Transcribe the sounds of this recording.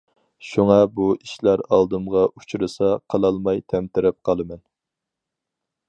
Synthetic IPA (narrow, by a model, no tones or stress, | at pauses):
ʃuŋɑbuiʃlæɾɑlˠd̪ɨmʁɑʔut͡ʃʰɾɨsɑqʰəlˠɑlˠmɑjt̪ʰɛmt̪ɪɾɛp̚qʰɑlˠɨmɛn